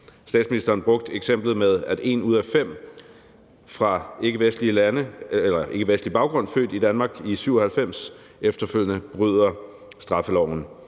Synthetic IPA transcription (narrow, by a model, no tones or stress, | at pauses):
sd̥ɛ̰ːdsminisd̥ɐːnb̥ʁɔ̽ɡ̥̚d̥eɡ̥sem̰b̥lð̩ˠmeð̞ˠæd̥e̝ːnuð̞̰ˠæfem̰ | fʁɑ̈e̝ɡ̥əʋesd̥liəlænəelɐʔe̝ɡəʋesd̥lib̥ɑ̈ʊɡ̥ʁɔ̽n̰fø̰ːd̥id̥ænmɑ̈ːɡ̥isyʊ̰ɒhælfem̰s | efd̥ɐføl̰ənəb̥ʁyð̰ˠɐ | sd̥ʁɑ̈fəlɒʊ̰n̩